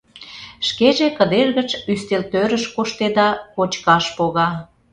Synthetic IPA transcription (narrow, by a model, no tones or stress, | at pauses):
ʃkeʒekəd̪erɣət͡ɕyst̪elt̪øɾəʃkoʃt̪ed̪ɑkot͡ɕkɑʃpoɣɑ